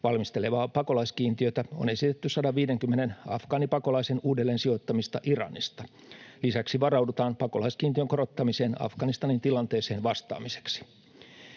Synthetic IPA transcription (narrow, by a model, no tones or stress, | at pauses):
ʋɑlmist̪e̞le̞ʋɑːpɑko̞lɑiskiːnt̪iøt̪æo̰ne̞sit̪et̪ːyssɑdɑʋʋiːdeŋkymːenenɑ̰fkɑːnipɑko̞lɑisenuːdelːeːnsio̞t̪ːɑmist̪ɑ̰ʔirɑ̰nḭst̪ɑ̥ | lisæksiʋɑrɑwdut̪ɑːmpɑko̞lɑisk̟iːnt̪iøŋkorot̪ːɑmise̞ːnɑ̰fɡɑnist̪ɑnint̪ilɑnt̪e̞ːse̞ːnʋɑst̪ɑ̰ːmise̥ksi̥